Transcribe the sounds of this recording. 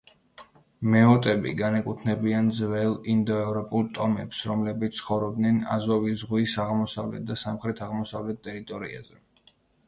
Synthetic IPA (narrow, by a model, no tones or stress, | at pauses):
mɛɔt̪ʼɛbḭɡanɛkʼut̪ʰnɛbiand̪zvɛlˠind̪ɔɛvɾɔpʼulˠt̪ʼɔmɛpsɾɔmlɛbit̪ssʰχɔvɾɔb̚d̪nɛna̰zɔvizʁwisaʁmɔsavlɛ̰t̪̚d̪asamχɾɛt̪ʰaʁmɔsavlɛt̪̚t̪ːʼɛɾit̪ʼɔɾḭa̰zɛ